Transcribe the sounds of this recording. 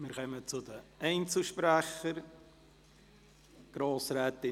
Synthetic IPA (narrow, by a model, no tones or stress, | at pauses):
mɪɾχœmət͡sʊdəɛɪnt͡sl̩ʃpɾæχəɾ | ɡ̥ɾoːsɾɛːt̪ɪ